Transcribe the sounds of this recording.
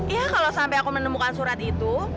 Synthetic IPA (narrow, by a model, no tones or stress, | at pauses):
ijakalosampɛjakumənəmukansuɾat̪it̪u